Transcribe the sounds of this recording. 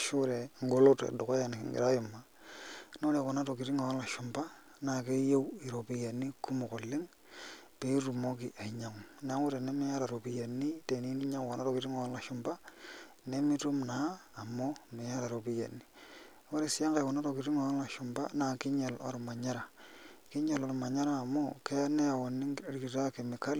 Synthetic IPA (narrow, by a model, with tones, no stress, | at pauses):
ʃu˦ɾe˨ŋɡo˨lo˦tḛ˨do˨ko˦ja˨n̰˨ŋɡḭ˨ɾa˦ju˨mːa˨ | no˦le˨ko˨na˦to˨ki˨ɾi˦ŋo˨o˦la˨ʃu˨mba˦ | na˨ke˦je˦wi˨ɾo˨pi˨˦ja˨nːi˦ku˦mo˨ko˨lːɪ˦ŋ | pe˨˦ɾu˨mo˦ki˨ʔa˨ɲa˨ŋ˨na˦ŋu˦ɾe˨ne˦mi˦a˦ɾa˨ɾo˨pi˨˦ja˨nːi˦te˨ni˦ni˦ɲa˦ŋko˨na˦ɾo˨ki˨ɾi˦ŋo˨˦lla˨ʃu˦mba˦ | ne˦mɪ˦tu˦mnaː˨˦˨mo˦mɪ˨ja˦ɾa˨ɾo˨bi˦ja̰˨ni˦ | wo˦ɾe˨sɪ˦a˦ŋɡe˨wɔ˨na˦ɾo˨ki˨ɾi˦ŋa˨wla˨ʃʊ˨mba̰˦na˨kɪ˦ɲe˨lɔ̰˨ɾma˨ɲa˦ɾa˨kɪ˦ɲe˨lɔ˦ɾma˨ɲa˦ɾaː˦˨mo˦kɛ˦a˦ne˦a˨wɔ˨nɪ˦ŋ˦ɾki˨ɾa˦ke˨mɪ˨ka˦l